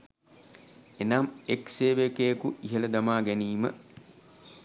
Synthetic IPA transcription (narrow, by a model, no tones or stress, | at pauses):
enamekseːʋekeekuʔiɦelɐd̪ɐmaːɡeniːmə̰